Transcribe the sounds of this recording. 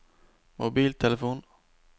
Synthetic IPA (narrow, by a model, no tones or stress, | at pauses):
mʊbiːlt̪ʰɛlɛfuːn